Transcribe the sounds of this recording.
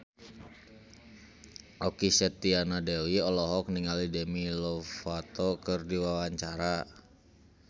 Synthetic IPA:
ʔɔkisɛt̪ianadɛwiɔlɔɦɔk̚niŋalidɛmilɔfat̪ɔkɨrdiwawaɲt͡ʃaɾa

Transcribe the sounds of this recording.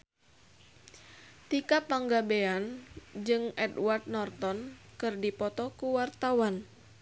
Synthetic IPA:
t̪ikapaŋɡabeand͡ʒɨŋɛdward̪̚nɔrt̪ɔnkɨrdipɔt̪ɔkuwart̪awan

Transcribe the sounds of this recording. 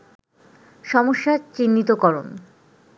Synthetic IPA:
ʃɔmoʃːat͡ɕinːit̪okɔɾo̰n

